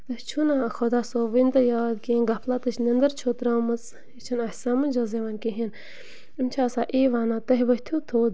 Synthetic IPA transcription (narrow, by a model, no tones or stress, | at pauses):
t̪ɐht͡ʃʰunaxod̪aːsoːʋint̪ɐjaːd̪kiinɡɐpʰlat̪ɨt͡ʃʰnɐnd̪ɐɾt͡ʃʰoːt̪ɾaːmɐt͡s | it͡ʃʰɐnɐhsaːmɐnd͡ʒɐzeʋɐnkiɦin | imʲt͡ʃʰasaːʔeːʋaːnaːt̪ɐɦʲiʋɐɦʲt̪ʰut̪ʰoːd̪